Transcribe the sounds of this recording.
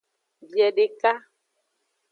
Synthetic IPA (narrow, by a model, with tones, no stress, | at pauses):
bi˨ɛ˨ɖe˨ka˦